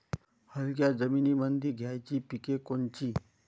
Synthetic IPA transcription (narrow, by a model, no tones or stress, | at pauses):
həlɡjad͡zəminimənd̪ʱiɡʱjajt͡ɕipikekont͡ɕiː